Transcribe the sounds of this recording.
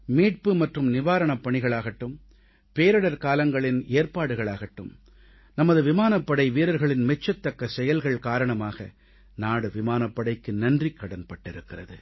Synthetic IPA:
miːʈ̚pɯmɐʈrɯmnɪʋaːɾɐɳɐpːɐɳɪɣɐɭaːɣɐʈːɯm | peːɾɯɽɐɾkaːlɐŋɡɐɭɪneːɾpaːɽɯɣɐɭaːɣɐʈːɯm | nɐmɐðɯʋɪmaːnɐpːɐɽɐɪʋiːɾɐɾɣɐɭɪnmɛt͡ʃːɐt̪ːɐkːɐsɛjɐlɣɐɭkaːɾɐɳɐmaːɣɐ̰ | naːɽɯʋɪmaːnɐpːɐɽɐɪkːɯnɐndrikːɐɽɐnpɐʈːɪɾɯkːɪrɐðɯ

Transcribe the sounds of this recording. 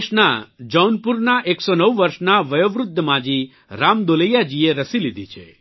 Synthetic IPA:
ʃnad͡ʒɔnpuɾnaʔeksonəʋʋəɾʃnaʋəjoʋɾʊd̪ʱːəmãd͡ʒi | ɾamd̪oləjad͡ʒieɾəsilid̪ʱit͡ʃʰḛ

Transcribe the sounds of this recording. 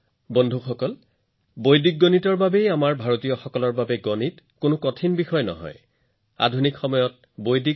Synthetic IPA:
bɔndʱuxɔkɔl | bojdik̚ɡonitɔɹbabejamaɹbʱaɹotijɔxɔkɔlɔɹbabɛɡɔnit | kʊnʊkɔtʰinbixɔjnɔ̰ɦɔ̰j | a̰dʱunikxɔmɔjɔt̚ | bojdi

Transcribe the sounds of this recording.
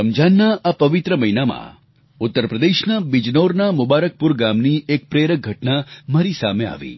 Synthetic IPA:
əmd͡ʒanːaʔapəʋɪt̪ɾəməɦinamã̰ | ʊt̪ːəɾpɾəd̪eʃnabid͡ʒnoɾnamʊbaɾək̚pʊɾɡamniek̚pɾeɾək̚ɡʱəʈnamaɾisa̰mea̰ʋḭ

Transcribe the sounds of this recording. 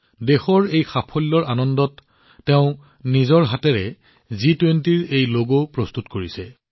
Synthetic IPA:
dexɔɹejxapʰɔlːɔɹanɔndɔtː | ɛʊ̃ | nizɔɹɦatɛɹɛ | zitwentiɹejloɡopɹɔstutkoɹisɛ

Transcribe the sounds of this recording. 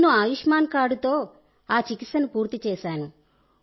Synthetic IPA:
nuaːjuʂmaːnkaːɽut̪o̞ː | aːt͡ʃikit̪sɐnupuːɾt̪it͡ʃɛːʃaːnu

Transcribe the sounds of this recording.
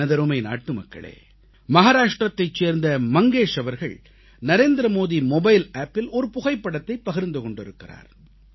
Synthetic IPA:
ɐðɐɾumɐɪna̰ːʈːɯmɐkːɐ̰ɭḛː | mɐɣaːɾaːʂʈrɐt̪ːɐɪt͡ʃːeːɾnd̪ɐmɐŋɡeːʂɐʋɐɾɣɐ̰ɭ | nɐɾeːnd̪ɪɾɐmoːðimɔbɐɪlaːpːɪlɔɾɯpʊɣɐɪpːɐɽɐt̪ːɐɪpːɐɣɪɾnd̪ɯkɔɳɖɪɾɯkːɪra̰ːɾ

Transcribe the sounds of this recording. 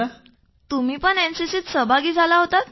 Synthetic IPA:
t̪um̤iːpəɳensisiːt̪səbʱaɡiːd͡zʱalaɦot̪at̪

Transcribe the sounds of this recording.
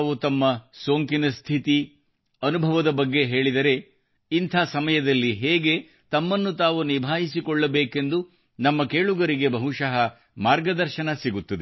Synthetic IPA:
ʋut̪ɐmːɐsoːŋkinɐst̪ʰit̪i | ɐnubʱɐʋɐd̪ɐbɐɡːe̞ɦe̞ːɭid̪ɐɾe̞ | int̪ʰaːsɐmɐjɐd̪ɐlːiɦeːɡe̞ | t̪ɐmːɐnːut̪aːʋunibʱaːjisikɔɭːɐbeːke̞nd̪u | nɐmːɐkeːɭuɡɐɾiɡe̞bʱɐɦuʃɐɦɐ | maːɾɡɐd̪ɐɾʃɐnɐsiɡut̪ːɐd̪e

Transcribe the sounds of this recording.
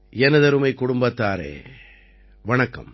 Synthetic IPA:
jɛnɐðɐɾɯmɐɪkːʊɽʊmbɐt̪ːaːɾḛː | ʋɐɳɐkːɐ̰m

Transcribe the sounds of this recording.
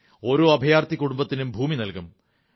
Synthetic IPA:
o̞ɾoːɐbʱɐjaːrt̪ikːuɽumbɐt̪ːinumbʱuːminɐlkum

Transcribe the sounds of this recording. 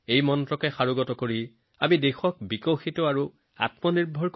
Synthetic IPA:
ejmɔntɹɔkɛxaɹuɡɔtɔkoɹi | amidexɔk̚bikɔwxitɔaɹu | a̰tmɔniɹbʱɔɹk

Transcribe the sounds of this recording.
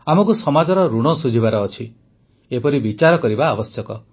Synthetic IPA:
amɔkusɔmad͡ʒɔɾɔɾuɽ̃ɔsud͡ʒʱibaɾɔːt͡ʃʰi | epɔɾibit͡ʃaɾɔkɔɾibaːbɔsjɔkɔ

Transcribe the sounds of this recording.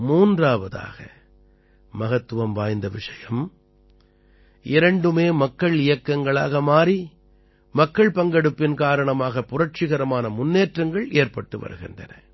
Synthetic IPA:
muːndraːʋɐða̰ːɣɐ̰ | mɐɣɐt̪ːɯʋɐmʋaːjnd̪ɐʋɪʂɐjɐm | ʔɪɾɐɳɖɯmeːmɐkːɐɭɪjɐkːɐŋɡɐɭa̰ːɣɐmaːɾi | mɐkːɐɭpɐŋɡɐɽɯpːɪnkaːɾɐɳɐmaːɣɐpʊrɐʈ̚t͡ʃɪɣɐɾɐmaːnɐmʊnːeːʈrɐŋɡɐɭeːɾpɐʈːɯʋɐ̰ɾɯ̰ɣɪ̰ndrɐ̰nɐ̰

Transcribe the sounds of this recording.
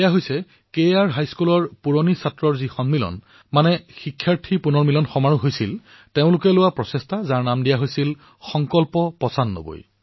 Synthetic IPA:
ejaɦojsɛ | kejaɹɦajskulɔɹpuɹonisatɹɔɹzixɔnmilɔ̰n | manɛxikʰːjaɹtʰipunɔɹmilɔnxɔmaɹuɦojsil | teʊ̃lʊkɛlʊwapɹɔsɛstʰazaɹnamdijaɦojsil | xɔŋkɔlpɔpɔsanːo̰bo̰j

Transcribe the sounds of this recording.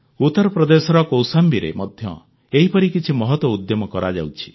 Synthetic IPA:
ut̪ːɔɾɔpɾɔd̪esɔɾɔkowsambiɾḛmɔd̪ʱjɔ̰ | eɦipɔɾikit͡ʃʰimɔɦɔt̪wɔud̪jɔmɔkɔɾad͡ʒa̰wt͡ʃʰi̥

